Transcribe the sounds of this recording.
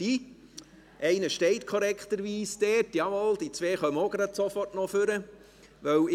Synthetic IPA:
i | ʔɛɪnəʃtɛɪtkʰɔɾɛkχt̪əɾʋiːsd̥̪ɛːtjɑmɔld̥it͡sʋeːχœməoɡ̥ɾɑd̪sofɔrtnɔføɾə | ʋœw

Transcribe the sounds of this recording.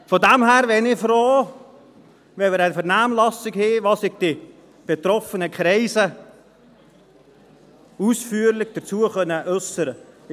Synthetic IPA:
fɔdæmhæːɾʋɛnɪfɾoː | vɛmɪɾɛnfəɾnæːmlɑsɪkheːʋɑːssɪɡ̚d̥ɪ | b̥et̪ɾɔfənəkʰɾɛɪzə | uːsfyːəɾlɪçd̥ət͡suəχœnːəʔœsəɾə

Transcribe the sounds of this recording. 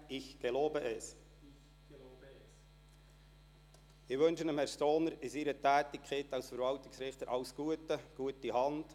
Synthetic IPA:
ɪçɡ̥eloːbəʔɛs | ɪʋønʃənəmhɛɾst̪oːnəɾɪsiɾətæːtɪkχetɑwsfəɾvɑltɪksɾɪχt̪əɾʔɑʊsɡ̥uətəɡ̥uətiɦɑnd̥

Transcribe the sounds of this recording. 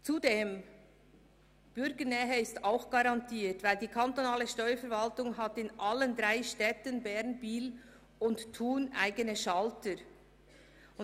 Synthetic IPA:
t͡sudeːm | b̥ʏɾɡənɛːɦəɪstaʊxɡ̥ɑɾɑntʰiːtvaɪldiːkʰantonaːləʃtɔʏəfɛɾvaltʊŋɦatɪnʔaləndɾaɪʃtɛtənbɛɾnbiːl | ʊnttʰːuːnʔa̰ɪɡənəʃaltəɾ

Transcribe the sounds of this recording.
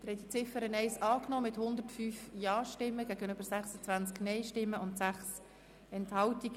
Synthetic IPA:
d̪̥əɾhɛtdit͡sɪfəɾənɛɪsɑːknɔːmɪthʊnd̪əɾtfyːfjɑːʃtɪmːəɡæːɡənøb̥əɾsæχsət͡sʋænt͡sknɛɪʃtɪmːəʊntsæχs | ɛnthɑwtiɡ

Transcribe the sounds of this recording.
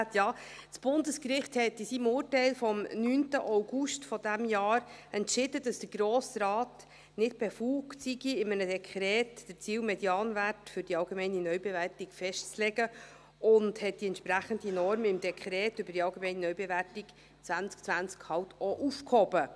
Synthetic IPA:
tjɑːsb̥ʊnd̪əskrɪχthɛtɪsimʊːrtɛɪlfɔmnyːntəʔaʊɡuʃtfɔdæmjɑːɾɛntʃɪdəd̥ɑsd̥əɾɡɾoːsrɑːt | nɪt̚b̥efuːɡtsiɡiɪmənədɛkʰɾɛːtd̥əɾt͡siːwmɛdjɑːnværtfʏɾd̥iɑlɡemɛɪninœɥbeværtikfɛʃt͡slɛɡə | ʊndhɛt̚d̥iɛntʃpɾæχəndinɔɾmɪmd̥ɛkχɾɛːtʏbəd̥iɑlɡemɛɪnənœɥbɛværtik | t͡svænt͡sk̚t͡sʋænt͡skhɑwtɔʔufkhɔbə

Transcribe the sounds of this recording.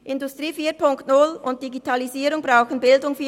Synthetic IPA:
ʔɪndʊstʁiːfiːpʰʊŋktnʊlʊnt̚d̥iɡitʰɑliziːɾʊŋbʁaʊxən̩bɪldʊŋfiː

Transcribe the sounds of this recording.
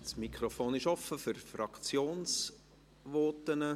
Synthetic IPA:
smikʰχɾofoːnɪʃɔfːəfʏɾfɾɑkt͡sjoːns | ʋɔːtənə

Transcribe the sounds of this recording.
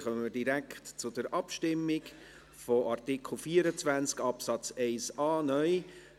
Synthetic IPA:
χœəmədiɾæktt͡sʊd̥əɾʔɑpʃtɪmːɪk | fɔʔɑrtɪkl̩ˠfiːəɾət͡svænt͡skɑpsɑt͡sɛɪsɑːnœʏ

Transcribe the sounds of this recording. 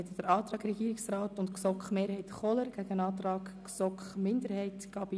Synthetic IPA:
ɛt̪əd̥əɾɑːt̪ɾɑːɡɾɛɡ̥iːɾɪksrɑːtʊntksɔkχmeːɾhɛɪtχɔləɾɡ̥æɡ̥ənɑːt̪ɾɑːɡksɔkχmɪndəɾhɛɪtɡ̥ɑb̥i

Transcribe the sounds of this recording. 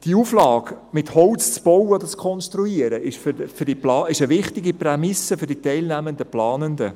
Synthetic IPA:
d̥iuflɑːɡmɪthɔwt͡st͡sb̥ɔwəɔd̥̪ət͡skʰɔnʃt̪ɾuiəɾəɪʃffʏɾdiplɑːɪʃəʋɪχtɪɡiprɛmɪsəfʏrd̥itɛɪlnæmənd̪əplɑːnənd̪ə̰

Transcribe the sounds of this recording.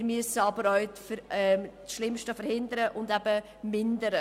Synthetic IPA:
ɾmyəsəɑbəɾœɥfɛmt͡sʃlɪmʃtəfəɾhɪnd̪əɾəʔʊndæbə | mɪndəɾə

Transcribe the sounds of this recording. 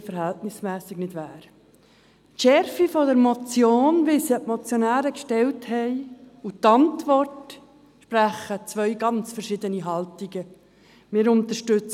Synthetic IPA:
fəɾhæltnɪsmɛːsɪɡnɪdʋæːɾ | tʃɛɾfifɔdəɾmɔt͡sjoːnʋɪlsiəpmɔt͡sjonæːɾəkʃtɛlthɛɪutɑntvɔrt | ʃpɾæχət͡sʋœʏɥɡɑnt͡sfəɾʃɪd̪əniɦɑltiɡə | mɪːɾʊnt̪əʃtʏt͡s

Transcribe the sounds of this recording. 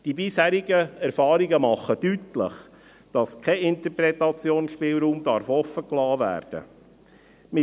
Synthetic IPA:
d̥ibɪshæːɾɪɡəɛɾfɑːɾiɡəmɑχːəd̥ytlə̰χ | d̥ɑskʰɛɪnt̪əpɾɛtɑt͡sjoːnʃpɪːlɾuːmd̥̪ɑɾfɔfːəklɑːvæ̰ːɾd̥ə̰ | mɪ

